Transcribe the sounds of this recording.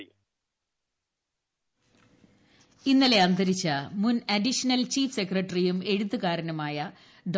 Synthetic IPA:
inːɐle̞ɐnd̪ʱɐɾit͡ɕːɐmunɐdiʂɐnɐlt͡ɕiːfse̞krɐʈːrijume̞ɻuðːukaːɾɐnɐmaːjɐ | ɖ

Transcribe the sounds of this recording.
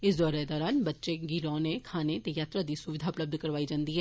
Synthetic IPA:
ɪsd̪ɔːɾɛd̪ɔːɾaːnbətːʃeɡiɾɔːnekʰaːnet̪ejaːt̪ɾad̪iːsʊʋɪd̪ʱaʊpləb̚d̪ʱkəɾʋaːid͡ʒãːnd̪iːɦɛː

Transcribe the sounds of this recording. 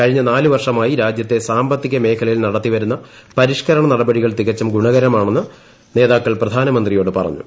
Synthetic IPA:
kɐɻiɲːɐnaːluʋɐrʂɐmaːjiɾaːd͡ʑjɐt̪ːe̞saːmbɐt̪ːiɣɐme̞ːkʰɐlɐjilnɐɽɐt̪ːiʋɐɾunːɐ | pɐɾiʂkɐɾɐɳɐnɐɽɐbɐɽiɣɐɭt̪iɣɐt͡ɕːɐmɡuɳɐɣɐɾɐmaːɳenːɨ | ne̞ːðaːkːɐɭprɐd̪ʱaːnɐmɐnd̪rijo̞ːɽɨpɐrɐ̰ɲːṵ

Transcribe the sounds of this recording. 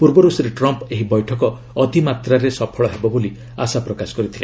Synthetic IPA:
puɾbɔɾusɾeʈɾɔmpeɦibɔjʈʰɔkɔː | d̪ʱimat̪ɾaɾesɔpʰɔɭɔɦebɔboli | a̰sapɾɔkasɔ̥kɔɾit̪ʰile

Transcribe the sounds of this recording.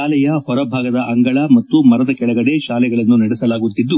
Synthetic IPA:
aːlɛjɐhɔɾɐbʱaːɡɐd̪ɐʔɐŋɡɐɭɐmɐt̪ːumɐɾɐd̪ɐkɛɭɐɡɐɽe̞ʃaːlɛɡɐɭɐnːunɐɽɛsɐlaːɡut̪ːid̪ːu

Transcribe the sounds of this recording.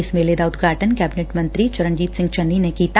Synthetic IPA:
ɪsmeːled̪aːʊd̪ɡʱaːʈənkɛːbɪneːʈmɐnt̪ɾit͡ʃɐɾənd͡ʒiːt̪sɪ̃ŋɡt͡ʃɐnːinekiːt̪

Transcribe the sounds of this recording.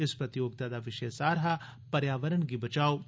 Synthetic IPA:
ɪspɾɐt̪ijoːɡ̚t̪ad̪aʋɪʃeesaːɾɦa | pɐɾjaːʋəɾənɡibɐt͡ʃaːoː

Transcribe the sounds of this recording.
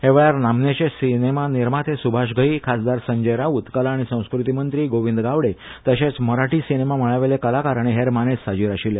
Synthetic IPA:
heʋɭjaɾnamnet͡ɕesinemaniɾmat̪ʰesubʱaɕɡʱəikʰasd̪aɾsəɲd͡ʑəjɾaut̪kəlaɽ̃isə̃w̃skɾut̪imənt̪ɾiːɡoʋind̪ɡaʋɽet̪əɕet͡sməɾaʈiːsinemam̤əɭaʋelekəlakaɾaɽ̃eɦeɾmanesːad͡ʑiːɾaɕile

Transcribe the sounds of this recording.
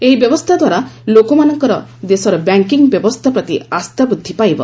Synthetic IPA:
eɦibjɔbɔst̪ʰad̪waɾalokomanɔŋkɔɾɔd̪esɔɾɔbaŋkiŋbjɔbɔst̪ʰapɾɔt̪ḭast̪abɾud̪ʱːipajbɔ̰

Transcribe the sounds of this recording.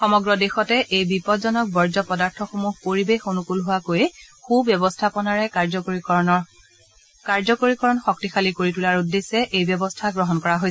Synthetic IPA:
xɔmɔɡɹɔdexɔtɛʔejbipɔtzɔnɔk̚bɔɹzɔpɔdaɹtʰɔxomuɦpoɹibexonukulɦʊwakojxubjɔbɔstʰapɔnaɹɛkaɹzɔkikɔnɔ | kaɹzɔkoɹikɔɹɔnxɔk̚tixalikoɹitulaɹudːesɛʔejbjɔbɔstʰaɡɹɔɦɔnkɔɹaɦojsɛ

